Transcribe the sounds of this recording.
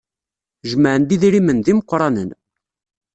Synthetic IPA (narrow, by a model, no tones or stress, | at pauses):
ʒməʕənd̪iðiɾimənðiməqʷːɾˤɑnə̰n